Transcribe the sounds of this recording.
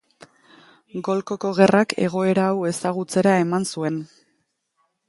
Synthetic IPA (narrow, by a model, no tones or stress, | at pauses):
ɡo̞lko̞ko̞ɣe̞rakʰe̞ɣ̞o̞e̞ɾaːwe̞saɣ̞ut͡se̞ɾae̞mansue̞n